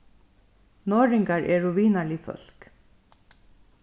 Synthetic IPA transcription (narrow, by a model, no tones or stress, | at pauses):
noːɹɪŋkaɹʔɛɹʊʋiːnaɭɪfœ̰lk